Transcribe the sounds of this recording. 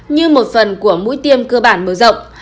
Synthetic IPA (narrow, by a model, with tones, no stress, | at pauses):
ɲɨ˧mo˨˩t̚fə˨˩nku˧˩əmṵ˧˥jt̪i˧əmkəː˧ɓaː˧˩nməː˨˩zə̰˧˨wŋ͡m